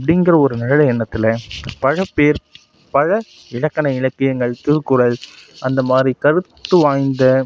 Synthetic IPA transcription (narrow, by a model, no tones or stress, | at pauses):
pːɐɽɪŋɡɐɾɐɔɾɯnɐɻɐlɐɛɳːɐt̪ːɪlɐpɐɻɐpːeːɾ | pɐɻɐ | ɪɻɐkːɐnɐɪɻɐkːɪjɐŋɡɐɭt̪ɯkːʊɽɐlɐnd̪ɐmaːd̪ɾikɐɾɯt̪ːɯʋaːjnd̪ɐ